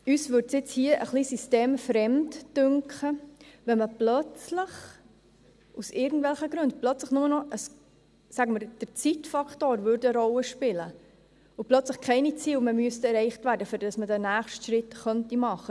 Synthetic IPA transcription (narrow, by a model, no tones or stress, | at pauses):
yːsʋʏɾtsjɪt͡shiːəʔə̰χlisisteːmfɾɛmtd̥ʉŋkχəʋɛməplœt͡slɪχ | ʔusɪːɾɡn̩tvɛlχəɡɾʉntplœt͡sləχnʊmənɔʔəs | sæɡəməɾd̥əɾt͡sitfɑkχtoːɾvʏɾdəɾɔlːəʃpɪlə | ʊplœt͡sləχkʰɛɪnit͡siːlməmyəstɛɾɛɪχtvæːɾdəfyɾd̥ɑsmədænæːχʃtʃɾɪtχœntimɑχə